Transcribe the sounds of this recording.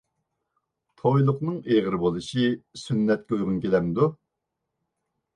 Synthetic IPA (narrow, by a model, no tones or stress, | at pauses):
t̪ʰojlˠʊqnɨŋeʁəɾɨbolˠɨʃisynːɛt̪̚kʲɛujʁʊnkʲelɛmd̪u